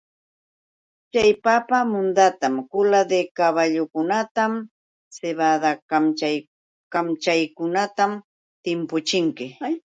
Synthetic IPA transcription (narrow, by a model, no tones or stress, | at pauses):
t͡ʃajpapamʊnd̪at̪amkʊlad̪ekaβaʎʊkʊnat̪am | seβad̪akamt͡ʃaj | kamt͡ʃajkʊnat̪am | t̪ɪmpʊt͡ʃɪŋkɪ